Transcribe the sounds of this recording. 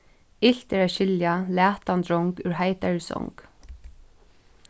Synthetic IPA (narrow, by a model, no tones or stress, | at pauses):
ɪl̥t̪ɛɹaɕɪljalæːt̪ant̪ɾɔŋkʉːɹhaɪt̪aɹsɔ̰ŋk